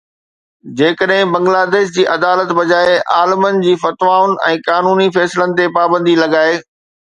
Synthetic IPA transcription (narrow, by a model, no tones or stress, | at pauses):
d͡ʑeːkəɗɦɪ̃bɐ̃ŋɡlaːd̪eːʃ̬d͡ʑiːʔɐd̪aːlət̪bɐd͡ʑaːeʔaːləmənɪ̆d͡ʑiːfɐt̪ʋaːʊnɪ̆ɛ̃ːkaːnuːnifɛːsɪlənɪ̆t̪̬epaːbə̃nd̪ilɐɡaːeː